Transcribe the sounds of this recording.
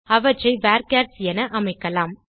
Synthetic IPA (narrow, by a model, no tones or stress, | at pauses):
ɐʋɐt͡ʃːɐɪʋaːɾkaːɾsɪjɐnɐʔɐmɐɪkːɐlaːm